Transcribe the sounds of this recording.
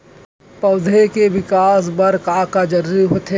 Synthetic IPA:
pɐʊd̪ʱekeʋɪkaːs̬bɐɾkaːkad͡ʒɐɾːiɦot̪ʰe

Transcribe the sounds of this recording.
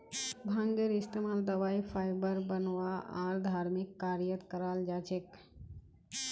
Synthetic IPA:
bʱãŋɡeɾɪst̪emaːld̪əʋaːipʰaːjbəɾbənʋaa̰ɾd̪ʱaːɾmɪkːaɾjət̪kəɾaːld͡ʒaːt͡ʃʰek

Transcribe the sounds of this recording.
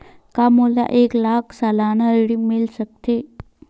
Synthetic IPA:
kamola̰ʔeːklaːkʰsalaːnaɽimɪlsək̚t̪e

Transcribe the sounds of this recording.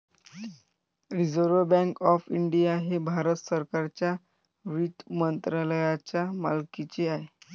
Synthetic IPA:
ɾid͡zəɾʋəbɛ̃ŋkɔfiɳɖijaɦebʱaɾət̪səɾkaɾt͡ɕja | ʋit̪mənt̪ɾaləjat͡ɕjamalkit͡seaɦe

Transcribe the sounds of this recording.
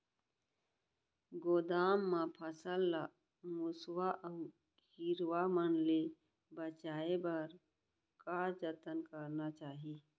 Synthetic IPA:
ɡoːd̪aːmːãpʰəsəlːa | mʊswaʔə | k | iɾwamənle | bət͡ʃaːebəɾ | kaːd͡ʒət̪ənkəɾnat͡ʃaːɦi

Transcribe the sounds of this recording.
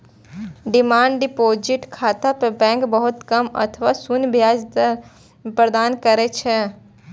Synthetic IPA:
ɖɪmaːɳɖɖɪpoːd͡ʒɪʈkʰaːt̪apəbɛ̃ːkbəɦʊt̪kəmə̰t̪ʰəʋaːsunbʱjaːd͡ʒ̪ | pɾəd̪aːnkəɾɛt͡ʃʰɛ

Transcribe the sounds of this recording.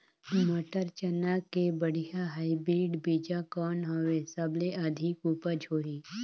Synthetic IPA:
moʈəɾt͡ʃənakebəɽ̤ijaɦaibɾiːɖbid͡ʒakɔːnɦɔʋesəbleɐd̪ʱɪkupəd͡ʒʱoːɦi

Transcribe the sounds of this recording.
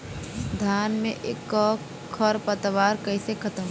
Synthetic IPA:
d̪ʱaːnmẽʔḛːkːɔ | kʰːɔɾpət̪ʋaːɾkəisekʰət̪əm

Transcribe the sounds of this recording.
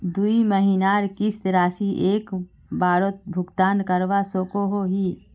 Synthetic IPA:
d̪uiməɦinaːɾkist̪ɾaːsiʔeːk | baːɾot̪̚bʱʊɡt̪aːnkəɾʋasoːkoɦoɦi

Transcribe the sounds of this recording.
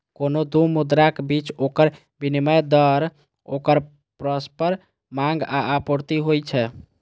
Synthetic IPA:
konod̪umud̪ɾakebit͡ʃokəɾ | biniməjd̪əɾ | okəɾ | pɾəspəɾ | maŋɡaapoɾt̪iɦojt͡ʃʰɛ

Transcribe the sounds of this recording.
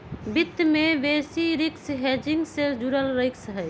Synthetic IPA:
bɪt̪ːmẽʋeːsiɾɪksɦed͡ʒɪŋɡsed͡ʒuɾəlɾəksɦɛː

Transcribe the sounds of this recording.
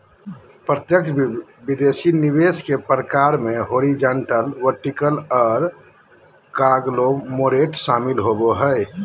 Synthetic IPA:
pɾət̪jəkt͡ʃʰbid̪esiniʋeskepɾəkaɾmeɦoɾid͡ʒəɳʈəlʋəɾʈikəlɔːɾ | kaɡlomoɾeʈʃamilɦoboɦəj

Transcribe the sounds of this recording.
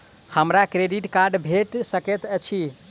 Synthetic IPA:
həmɾakɾeɖiʈkaɾɖbʱeʈsəket̪ət͡ʃʰi

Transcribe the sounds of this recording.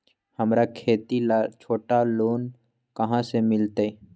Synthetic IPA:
həmɾakʰeːt̪ilat͡ʃʰoːʈaloːn | kɐɦãsemɪlt̪e

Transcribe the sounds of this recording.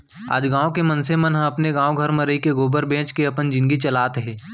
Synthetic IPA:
a̰ːd͡ʒɡãːõkemɐnsemənɦə̃ɐpneɡãːoɡʱɐɾmẽɾəikeɡoːbəɾbẽːt͡ʃkeɐpənd͡ʒɪ̃nɡit͡ʃɐlaːt̪ɦɛː

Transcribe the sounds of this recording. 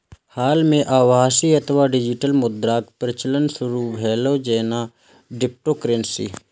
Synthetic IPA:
haːlmẽʔaːʋaːsiət̪ʰʋaːɖɪd͡ʒɪʈəlmʊd̪ɾaːkpɾət͡ʃələnsʊɾuʋʱɛːloːd͡ʒeːnaː | ɖɪp̚ʈoːkɾensḭː

